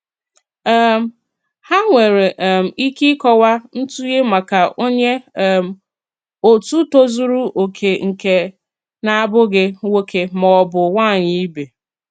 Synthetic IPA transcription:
m̩˦ | ha˦ŋʷe˨ɾe˨ʔm̩˨i˦ki˦kɔ˦wa˦n̩˦tu˦je˦ma˨ka˨ʔo˦ɲe˦m̩˨ | o˨tu˦to˦zu˦ɾu˦ʔo˨kʰe˨ŋ̩˨ke˨ | na˦a˦bʊ˦ɡɪ˦we˦kʰe˦mɔ˨ɔ˨bʊ˨wa˦˨ɲɪ˦i˦be˨

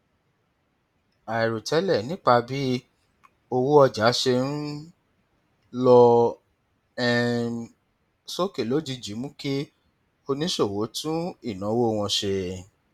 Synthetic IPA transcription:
a˨i˨ɾu˨tʰɛ˨˦lɛ˦˨nĩ˨˦k͡pa˧bi˦ | o˧wu˦ɔ˧d͡ʒa˨˦ʃe˧n̩˦ | lɔ˧ | ɛ˦˧ | so˦ke˨lo˦d͡ʒi˧d͡ʒi˨˦mũ˦ke˦ | o˧nĩ˦ʃo˦˨wo˨˦tũ˦i˦˨nã˨˦wo˦˨˧w̃ɔ̃˧ʃe˧

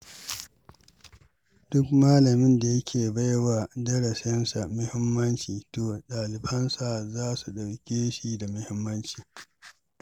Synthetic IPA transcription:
d̥ʊ˦kmaː˦lɐ˨mɪ˦nda˨jɐ˦kʲʰeː˨ba˦jwa˨dɐ˦ɽɐ˨sɛ˦nsa˨mʊ˦hɪ˦mːɐ˦nt͡ʃiː˨toː˨ɗaː˨lɪ˨bɐ˦nsa˨zaː˦su˨ɗɐ˨wkʲeː˦ʃi˦da˨mʊ˦hɪ˦mːɐ˦nt͡ʃiː˨

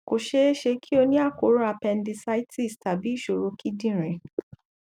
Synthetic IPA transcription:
ko˨ʃe˧˦e˦ʃe˧kʰi˦o˧nĩ˦a˦˨ko˨˦ɾa˧˨pɛ˧n̩˦di˧sa˧˦i˦tʰi˦˨sta˨bi˨˦i˦˨ʃo˨ɾo˧kʰi˦dĩ˦˨ɾ̃ɛ̃˨˦

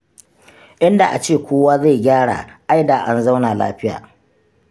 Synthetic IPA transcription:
ʔɪ˦nda˨ʔa̰˨t͡ʃeː˦˨kʷoː˦waː˦za˦˨jɡʲaː˦ɽa̰ː˨ʔa˦jdaː˨ʔa˦nza˦wna˨la̰ː˦ɸɪ˦ja̰ː˨

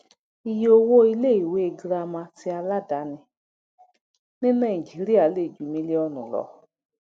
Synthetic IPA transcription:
i˦jo˧wo˦i˧le˦˨i˨we˦e˨ɡɾa˧mã˧ti˧a˧la˦da˨˦nɪ̃˧ | nĩ˦nã˦˨i˨d͡ʒi˨˦ɾi˦a˨˦le˦˨d͡ʒu˨˦mĩ˦li˦ɔ˧nʊ̰̃˨lɔ̰˨

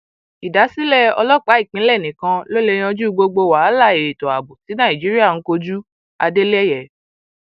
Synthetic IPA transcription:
i˨da˨˦si˦lɛ˦˨ɔ̰˧lɔ˦k͡pa˨˦i˦˨k͡pĩ˨˦lɛ˦˨nĩ˨kã˧lo˦le˧j̃ɔ̃˧d͡ʒu˦˧ɡ͡bo˧ɡ͡bo˧wa˨˦la˦˨e˨ɾe˨to˨a˨bu˨si˨˦nã˦˨ĩ˨d͡ʒi˨˦ɾi˦a˦˨n̩˨˦ko˧d͡ʒu˦ | a̰˧de˦lɛ˦˨jɛ˦˨

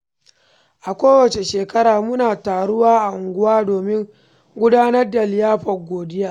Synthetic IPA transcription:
ʔa˨kʷoː˦wɐ˨t͡ʃe˨ʃeː˨kɐ˦ɽaː˨mʊ˦naː˨taː˨ɽʊ˦waː˦ʔa˨ʔʊ˨ŋɡʷʊ˦waː˦doː˨mɪ˦ŋ | ɡʷʊ˦daː˦nɐ˦rda˨lɪ˨jaː˦ɸɐ˨ɡʷoː˨dɪ˦jaː˦

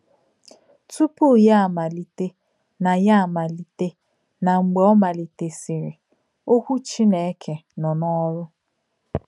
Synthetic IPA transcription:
tu˦pu˦˨ja˦a˨ma˨li˨te˦ | na˨ja˦a˨ma˨li˨te˦ | na˨ŋ͡m̩˨ɡ͡be˨˦ɔ˦ma˨li˨te˨si˨ɾɪ˨ | o˦kʷu˦t͡ʃi˦ne˨˦kʰe˨nɔ˨nɔ˦ɾʊ˦

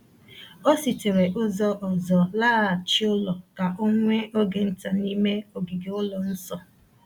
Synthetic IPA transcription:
o˦si˨te˨ɾe˨ʔʊ˦zɔ˦ʔɔ˨zɔ˨laː˦˨t͡ʃi˦ʊ˦lɔ˨ka˨ʔo˦ŋʷe˦o˦ɡe˨n̩˦ta˨ni˦me˦o˨ɡi˨ɡe˨ʊ˦lɔ˨n̩˦sɔ˨

